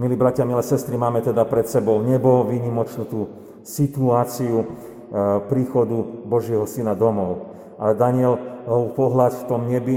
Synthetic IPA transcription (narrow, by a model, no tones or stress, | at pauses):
miliːbɾacɪamilɛsɛst̪ɾimaːmɛt̪ɛd̪apɾɛt̪sɛbɔʊɲɛbɔʋiɲimɔt͡ʃnut̪uː | sit̪uaːt͡siu | pɾiːxɔd̪ubɔʒɪɛɦɔsinad̪ɔmɔʊ | ʔad̪aɲɪɛlɔupɔɦlat̪ft̪ɔmɲɛbi